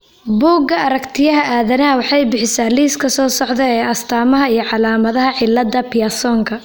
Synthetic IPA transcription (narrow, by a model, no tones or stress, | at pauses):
buːɡɐɐɾɐkt̪ʰɪjɐɦɐʔaːðɐnɐːwɑħɑjbɪħɪsaːliːskʰɐsɔːsɔʕðɛɛːɐst̪ʰaːmɐɦɐijɞʕɑlaːmɐðɐɦɐʕɪlːɐd̪ɐpɪjasɔːŋkʰɐ